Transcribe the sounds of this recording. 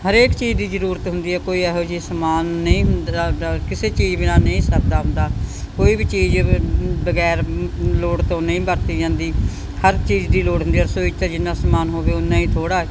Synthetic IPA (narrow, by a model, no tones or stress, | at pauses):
ɦəɾeːkt͡ʃiːd͡ʒd̪iːzəɾuːɾət̪ɦʊnd̪iːɦɛːkoːiːɛːɦoːd͡ʒiːsəmaːnːəĩːɦʊnd̪aːd̪aːkɪseːt͡ʃiːd͡ʒbɪnãːnəĩːsək̚d̪aːɦʊ̃nd̪aː | koːiːbit͡ʃiːd͡ʒbəɡɛːɾloːɽt̪õːnəĩːbəɾt̪iːd͡ʒãːnd̪iː | həɾt͡ʃiːd͡ʒd̪iːloːɽɦʊnd̪iːɦəsoːɪt͡ʃt̪aːd͡ʒɪnːãːsəmaːnɦoːʋeːʊnːãːĩːt̪ʰoːɽaː